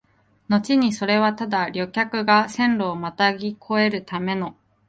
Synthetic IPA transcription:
no̞t͡ɕiɲ̟iso̞ɾe̞βat̪ad̪aɾʲo̞kʲakɯ̟ɡasẽ̞nɾo̞ːmat̪aɡʲikʰo̞e̞ɾɯ̟t̪ame̞no̞

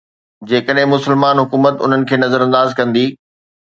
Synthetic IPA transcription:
d͡ʑeːkəɗɦɪ̃mʊsəlmaːnɦʊkuːmət̪ʊ̰n̤ənɪ̆kʰeːnɐzəɾɐ̃nd̪aːzkɐ̃nd̪iː

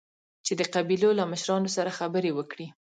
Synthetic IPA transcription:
t͡ʃed̪əqabilolaməʃɾɑnosaɾaxabəɾewəkɽi

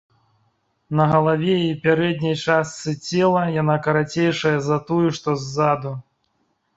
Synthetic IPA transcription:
nɐɣɐlˠavʲɛipʲaɾɛd̪ʲnʲɐjt͡ʂast̪sɨt͡sʲɛlˠɐjanakɐɾat͡sʲejʂɐjɐzɐt̪ujuʂt̪ɔzːad̪u

